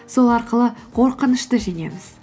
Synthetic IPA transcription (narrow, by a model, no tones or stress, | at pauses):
so̞lˠɑɾqəlˠəqʰo̞ɾqənəʃt̪əʒene̞̰mɪz̥